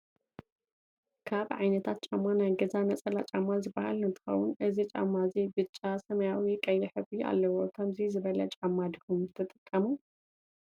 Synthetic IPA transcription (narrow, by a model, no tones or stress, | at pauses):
kʰaβʕajnɐt̪ʰat̪̚t͡ʃʼamːanajɡɐzanɐt͡sʼɐlat͡ʃʼamazɨbːaha̰lɨnt̪ʰɨ̥xɐ̰wʊnʔɨzit͡ʃʼa̰mːazibɨt͡ʃʼːasɐmɐjawikʼɐjjiħɨβia̰lːɐwokʰɐmzizɨβɐlɐ̰t͡ʃʼamːad̪ihumt̪ʰɨt̪ʼɨkʼːɐmu